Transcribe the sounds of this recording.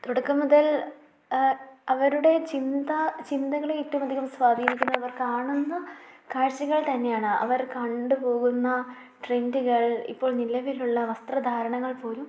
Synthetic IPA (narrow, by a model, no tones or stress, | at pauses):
t̪oɽɐkːɐmːuðɐl | ɐʋɐɾuɽe̞t͡ɕind̪ɐt͡ɕind̪ɐɣɐɭeitːumɐd̪ʱiɣɐmsʋaːd̪ʱiːɾikʲːunːɐðɐʋɐrkaːɳunːɐkaːɻɕɐɣɐɭt̪ɐnːe̞jaːɳɨɐ̰ʋɐrkɐɳɖɨpo̞ːɣunːɐ | ʈrenduɣɐɭḭpːo̞ːɭnilːɐʋeɾijuɭːɐʋɐst̪rɐd̪ʱaːɾɐɳɐŋːɐɭpo̞ːlum